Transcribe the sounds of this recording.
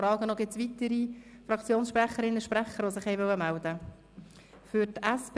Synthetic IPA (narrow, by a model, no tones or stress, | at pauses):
ɾɑːɡənɔɡ̥ɪt͡sʋit̪əɾifɾɑkt͡sjoːnsʃpɾæχəɾɪnːəʃpræχːəɾʋosɪχhɛɪʋœwːəmæld̥̪ə | fʏɾtæsp